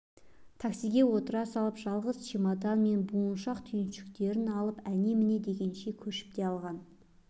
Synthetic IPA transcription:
t̪ʰaksijɡʲe̞wo̞t̪əɾɑsɑlˠəpʒ̥ɑlˠʁəzʃimɑd̪ɑnme̞nbuənʃɑqt̪ʰʏjɪnʃɪkt̪e̞ɾɪnɑlˠəpæne̞mɪne̞d̪e̞ɡʲe̞nʃe̞kʲʰɵʃɪ̥p̚t̪e̞ɑlˠʁɑn

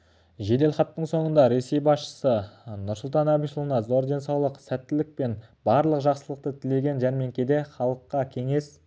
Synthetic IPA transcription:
ʒe̞d̪e̞lχɑp̚t̪ːəɴso̞ɴənd̪ɑɾe̞se̞jbɑsʃə̥sənʊɾsʊlˠt̪ɑnæbiʃlˠənɑzo̞ɾd̪ensɑwlˠəqsæt̪ːɪlɪk̚pe̞nbɑɾlˠəqʒɑqsəlˠəq̚t̪ət̪ʰɪle̞ɡʲe̞nʒæɾme̞ŋkʲed̪e̞χɑlˠəqːɑkʲʰe̞ŋe̞s

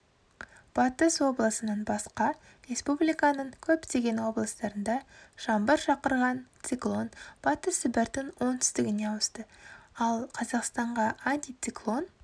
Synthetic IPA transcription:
b̥ɑt̪əswo̞blˠəsənənbɑsqɑ | ɾe̞spublijkɑnəɴkʲʰɵpt̪eɡʲe̞nwo̞blˠəst̪ɑɾənd̪ɑʒ̥ɑmbəɾʃɑqəɾʁɑnt̪siklˠo̞nb̥ɑt̪əsːɪbɪɾt̪ɪnwo̞nt̪ʰʏ̥st̪ɪɡʲɪne̞ɑwəst̪əɑlˠqʰɑzɑqst̪ɑɴʁɑant̪ʲijt̪siklˠo̞n

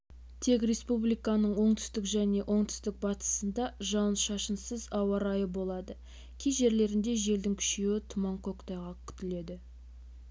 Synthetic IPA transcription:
t̪ʰe̞krʲe̞spublijkɑnəɴwo̞ɴt̪ʰʏ̥st̪ɪkʒæne̞ʔo̞ɴt̪ʰʏ̥st̪ɪk̚bɑt̪ə̥sənd̪ɑʒɑnʃɑʃənsəzɑwɑɾɑjəbo̞lˠɑd̪ə | kʲʰejʒe̞ɾle̞ɾɪnd̪e̞ʒe̞ld̪ɪŋkʲʰʏ̥ʃewɪt̪ʰʊmɑɴkʰokt̪ɑjʁɑkʲʰʏ̥t̪ɪle̞d̪ɪ

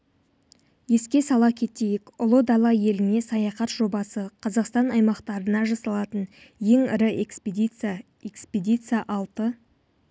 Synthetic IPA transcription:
je̞skʲe̞sɑlˠɑkʲʰe̞t̪ejɪkʊlˠəd̪ɑlˠɑje̞lɪne̞sɑjɑχɑt̪ʒo̞bɑsəqʰɑzɑqst̪ɑnɑjmɑqt̪ɑɾənɑʒɑsɑlˠɑt̪ən | je̞ŋɪɾɪʔekp | eksped̪ʲit̪sɨjaʔɑlˠt̪ə

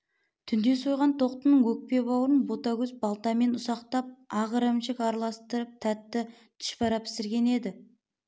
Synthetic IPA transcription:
t̪ʰʏnd̪e̞so̞jʁɑnt̪ʰo̞q̚t̪ənəɴwɵk̚pe̞bɑwəɾənbot̪ɑɡʲɵzbɑlˠt̪ɑme̞nʊsɑqt̪ɑp̚ɑʁəɾəmʃɪkɑɾlˠɑst̪əɾəp̚t̪ʰæt̪ːɪ | t̪ʰɪ̥ʃpɑɾɑpʰɪ̥sɪɾɡʲe̞ne̞d̪ɪ

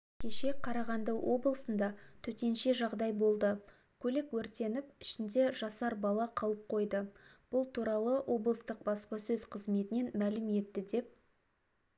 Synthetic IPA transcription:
kʲʰe̞ʃe̞qʰɑɾɑʁɑnd̪əwʔo̞blˠəsənd̪ɑt̪ʰɵt̪e̞nʃe̞ʒɑʁd̪ɑjbo̞lˠd̪ə | kʲʰɵlekwɵɾt̪e̞nɪpɪʃɪnd̪e̞ʒɑsɑɾbɑlˠɑqʰɑlˠəp̚qʰo̞jd̪əb̥ʊlˠt̪ʰuɾɑlˠəwʔo̞blˠəst̪əq̚bɑspɑsɵzqʰəzme̞t̪ɪne̞nmælɪme̞t̪ːɪd̪e̞p̚

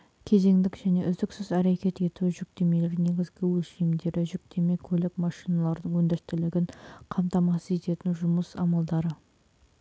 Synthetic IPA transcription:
kʲʰe̞ze̞ŋd̪ɪkʒ̥æne̞ʔʏzd̪ɪksɪzæɾe̞kʲe̞t̪e̞t̪uʒʏk̚t̪e̞me̞leɾne̞ɡʲɪzɡʲɪwɵlʃijmd̪e̞ɾɪʒʏk̚t̪ʰe̞me̞kʲʰɵlɪkmɑʃijnɑlˠɑɾd̪əɴwɵnd̪est̪ɪlɪɡʲɪɴqʰɑmt̪ɑmɑsəze̞t̪e̞t̪ɪnʒʊməsɑmɑlˠd̪ɑɾə

